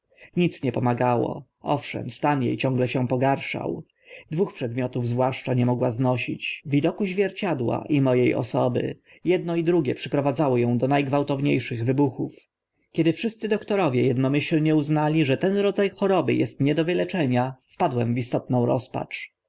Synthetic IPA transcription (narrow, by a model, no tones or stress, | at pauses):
ɲit̪sɲɛpɔmaɡawɔ̰ | ɔfʂɛ̰mst̪anjḛjt͡ɕɔ̃ŋɡlɛɕɛpɔɡaɾʂa̰w | d̪vuxpʂɛd̪mʲjɔt̪uvzvwaʂt͡ʂaɲɛmɔɡwaznɔɕit͡ɕvʲid̪ɔkuʑvʲjɛɾt͡ɕad̪wa̰ʔimɔjejɔ̰sɔbɘ̰ | jɛd̪̚nɔid̪ɾuɡʲjɛpʂɘpɾɔvad̪zawɔjɔ̃w̃d̪ɔnajɡvawt̪ɔvɲejʂɘɣvɘbuxuf | kʲɛd̪ɘfʂɘst̪sɘd̪ɔkt̪ɔɾɔvʲjɛjɛd̪nɔmɘɕlɲɛuznalʲiʐɛt̪ɛnɾɔd̪zajxɔɾɔbɘ̰jɛst̪ɲɛd̪ɔvɘlɛt͡ʂɛɲaffpad̪wɛmvist̪ɔt̪nɔ̃w̃ɾɔ̰spa̰t͡ʂ